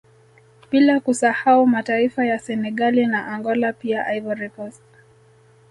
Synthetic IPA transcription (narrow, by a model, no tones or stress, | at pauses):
ɓilakusahaumataifajasɛnɛɠalinaʔaŋɡɔlapiaʔaivɔɾɛkɔs